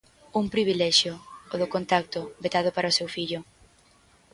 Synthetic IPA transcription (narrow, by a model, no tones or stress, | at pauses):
uŋpɾiβ̞ilɛʃjʊoðʊkont̪ak̚t̪ʊbet̪aðʊpaɾaosewfiʎʊ